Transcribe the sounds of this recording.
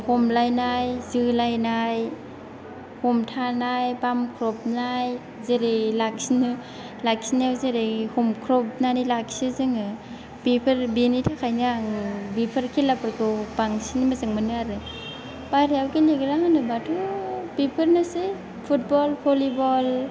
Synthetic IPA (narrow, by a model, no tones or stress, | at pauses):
hɔmlajnajzɯlajnaj | hɔmtʰanajpamkʰɾɔp̚naj | zeɾelak̚sinɯ | lak̚sinawzeɾehɔmkʰɾɔp̚nanilaksɯzɯŋɯ | b̥ipʰɯɾbinitʰakʰajnaaŋbipʰɯɾkʰelapʰɯɾkʰɯbaŋsinimazɯŋmɯnɯaɾɯ | bajɾeawkeleɡɯɾaŋanɯbatʰobipʰɯɾnase | pʰut̚bɔlpʰɔlibɔl